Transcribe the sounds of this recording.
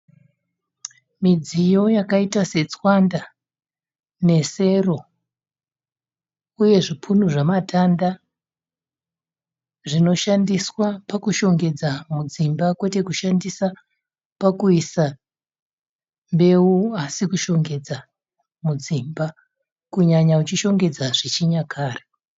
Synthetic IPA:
mid͡zijo̞jakaitase̞t͡swanda | ne̞se̞ro̞ | uje̞ʐipʰunuʐamatʰanda | ʐino̞ʃandiswapakuʃo̞ŋɡe̞d͡zamud͡zimbakwe̞te̞kuʃandisa | pakuisa | mbe̞uasikuʃo̞ŋɡe̞d͡za | mud͡zimba | kuɲaɲaut͡ʃiʃo̞ŋɡe̞d͡zaʐ̥it͡ʃiɲakʰaːre

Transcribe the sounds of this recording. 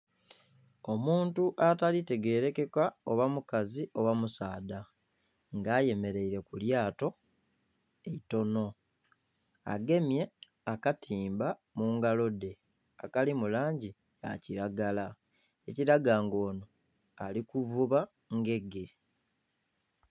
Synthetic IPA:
o̞muːntuʔatalite̞ɡe̞ːɾe̞ke̞kwao̞βamukaziʔo̞wamusaːda | ŋɡaːje̞me̞ɾe̞iɾe̞kuljaːto̞ | eito̞no̞ | a̰ɡe̞mje̞ | akatʰiːmbamuːŋɡalo̞de̞ | akalimulaːɲɟi | a̰ciɾaɡala | eciɾaɡaːŋɡo̞ːno̞ | alikuvuβa | ŋɡe̞ɡe̞

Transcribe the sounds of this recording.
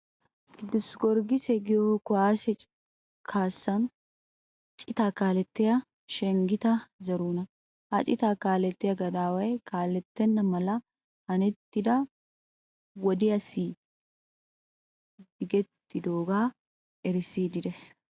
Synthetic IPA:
d̪ʊsɡɔɾɡɪsɛɡɪjokʊaːsɛt͡ʃʼ | kʰaːsːɐn | t͡ʃʼɪt̪aːkaːlɛt̪ːɛjɐ | ʃɛŋɡɪt̪ɐd͡ʒɐɾuːnɐ | hɐt͡ʃʼɪt̪akaːlɛt̪ːɛjɐɡɐd̪aːwɐɛkaːlɛt̪ːɛnːɐmɐlɐ | hɐnɪt̪ːɪd̪ɐ | wɔd̪ɪɐsiː | d̪ɪɡɛt̪ːɪd̪oːɡaː | ɛɾsiːd͡ʒɪdɛs

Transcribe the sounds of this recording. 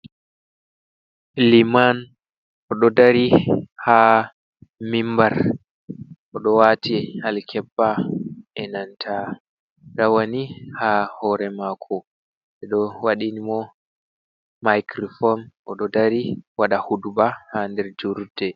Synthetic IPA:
liman | ʔɔɗɔdaɾiha | mimbaɾ | ʔɔɗɔwatʰihalkʰɛbːaʔɛnantʰa | ɗawanihahɔɾɛmakʰɔ | ɓɛɗɔwaɗinimɔ | majkɾɔfɔnʔɔɗɔdaɾiwaɗahudubahandɛɾd͡ʒuɾdɛ

